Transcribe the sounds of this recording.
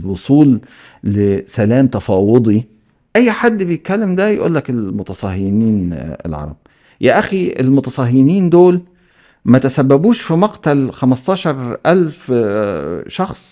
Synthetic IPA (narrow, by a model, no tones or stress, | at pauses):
lwosˤuːlː | ɪsælæːmt̪ɑfɑːwed̪ˤi | ʔæjːħad̪ːbejɪt̪̚kːælːɪmd̪æjʔṵːlːækelmʊt̪ɑsˤɑhɪniːnɪ̰lʕɑ̰ɾˤɑ̰b̚ | jæʔæxiḛlmʊt̪ɑsˤɑɦɪniːnd̪oːl | mæt̪æsæbːæbuːʃfimɑqt̪ælxæmɑst̪ˤɑːʃɑɾˤʔælf | ʃɑxsˤ